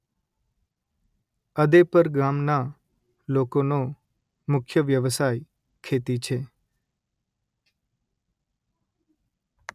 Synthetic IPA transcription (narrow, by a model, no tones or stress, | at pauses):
əd̪epəɾɡamna | lokono | mʊkʰjəʋjəʋsaj | kʰet̪it͡ʃʰe